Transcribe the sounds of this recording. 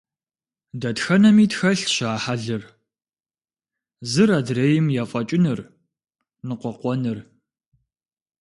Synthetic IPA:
dɐtxɐnɐmiːtxɐɬɕaːħaɮɨr | zɨraːdreːjɪmjaːfʼɐt͡ʃʼɪnɨr | nɨqʷɔqʷɔnɨr

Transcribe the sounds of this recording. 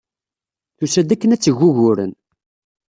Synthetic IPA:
θusæd̪ækːənæt͡sːəʝːʊʝʊɾə̰n

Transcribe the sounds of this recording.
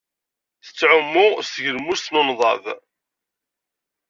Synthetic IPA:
θə̥t͡sːʕʊmːʊʁsəʝəɾmusθnonðˤɑ̰v

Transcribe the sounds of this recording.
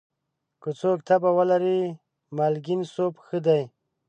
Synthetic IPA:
kut͡soːk̚t̪ʰabawalaɾi | malɡinsopxəd̪aj

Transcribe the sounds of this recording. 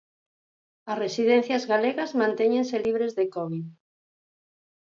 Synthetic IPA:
ɐsresiðẽn̟θjazɣaleɣazmãnt̪eɲẽnseliβ̞ɾezðekɔβið

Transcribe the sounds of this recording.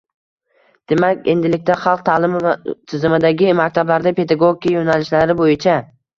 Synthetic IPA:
d̪̥e̞makʲe̞̰nd̪ɪlɪkʲt̪aχɑlˠq̚t̪ʰaːlɪmɪvat̪ʰɪzɪmɪd̪aɡʲɪmakʲt̪ʰablaɾd̪apʰe̞d̪aɡoɡʲjajonalɪʃlaɾɪbojɪt͡ʃʰa

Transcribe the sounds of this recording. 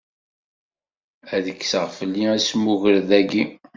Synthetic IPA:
æðəkːsəʁfəlːiæsmuʝəɾðæɡi

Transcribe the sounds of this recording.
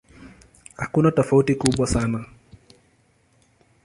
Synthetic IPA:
hakunatɔfautikuɓwasana

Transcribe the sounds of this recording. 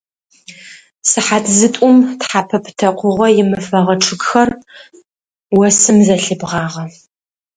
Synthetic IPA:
sɨħatʰzɨtʷʼʊmtħapʰɐpʰtʰɐqʷʰʊʁʷɐjɪmɨfɐʁɐʈ͡ʂʰɨɡxɐr | wɐsɨmzɐɬɨbʁɑːʁɐ

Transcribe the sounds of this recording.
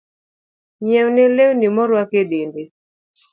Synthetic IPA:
ɲɛwnelewnimɔɾwakeɗende

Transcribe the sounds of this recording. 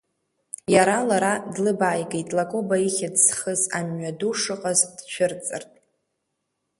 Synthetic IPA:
jaɾalaɾadlɨbaːjɡejtʼlakʼobaiχʲadsχəzamɥaduʂɨqʼazd̥t͡ʃʷʰɪrt͡sʼɨrtʼ

